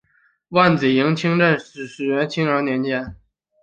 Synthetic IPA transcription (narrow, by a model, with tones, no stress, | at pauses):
wa˥˩nt͡s̩˨˩ji˧˥ŋt͡ɕʰi˥ŋʈ͡ʂə˥˩nʂ̩˨˩ʂɻ̩˨˩ɥɛ˧˥nt͡ɕʰi˥ŋə˞˧˥njɛ˧˥nt͡ɕjɛ˥n